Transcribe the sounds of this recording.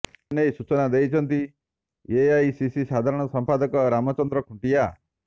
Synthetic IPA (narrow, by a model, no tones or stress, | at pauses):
nejsut͡ʃɔnad̪ejt͡ʃʰɔnt̪i | eajsisisad̪ʱaɾɔɽ̃ɔsɔmpad̪ɔkɔɾamɔt͡ʃɔnd̪ɾɔkʰuɳʈija